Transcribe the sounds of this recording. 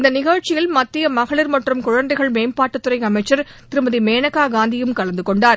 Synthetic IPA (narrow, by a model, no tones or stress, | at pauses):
ɪnd̪ɐnɪɣɐɻt͡ʃɪjɪlmɐt̪ːɪjɐmɐɣɐɭɪɾmɐʈrɯmkʊɻɐnd̪ɐɪɣɐɭmeːmpaːʈːɯt̪ːɯɾɐɪɐmɐɪt͡ʃːɐɾ | t̪ɪɾɯmɐðimeːnɐkaːɡaːnd̪ɪjɯmkɐɭɐnd̪ɯkɔɳɖaːɾ